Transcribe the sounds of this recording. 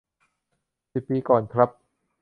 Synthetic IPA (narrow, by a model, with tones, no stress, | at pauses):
si˨˩p̚ːiː˧kɔː˨˩nkʰɾa˦˥p̚